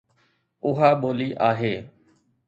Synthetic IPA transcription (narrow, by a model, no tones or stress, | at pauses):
ʊɦaːɓoːliːʔaːɦeː